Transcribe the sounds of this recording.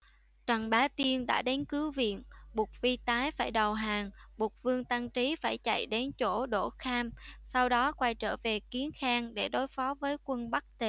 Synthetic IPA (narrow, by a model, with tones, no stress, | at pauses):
t͡ɕə˨˩ŋɓaː˨˦t̪i˧ənɗa̰ː˧˥ɗɛ˨˦nkɨ˨˦wvḭ˧˨ənɓʊ˨˩t̚vi˧t̪aː˨˦jfaː˧˩jɗə˨˩wɦaː˨˩ŋɓu˨˩t̚vɨ˧əŋt̪a˧ŋt͡ɕi˨˦faː˧˩jt͡ɕa̰˧˨jɗɛ˨˦nt͡ɕo˧˩ɗo˧˩xaː˧msa˧wɗɔ˨˦kwaː˧jt͡ɕə̰ː˧˩ve˨˩ki˨˦ənxaː˧ŋɗe˧˩ɗo˨˦jfɔ˨˦vəː˨˦jkwə˧nɓa˦˥t̚t̪e˧˩